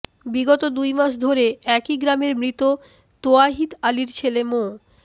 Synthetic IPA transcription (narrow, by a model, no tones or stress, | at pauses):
biɡɔt̪od̪ujmaʃ̬d̪ʱoɾeɛkiɡɾameɾmɾit̪o | t̪oaɦit̪aliɾt͡ɕʰelemo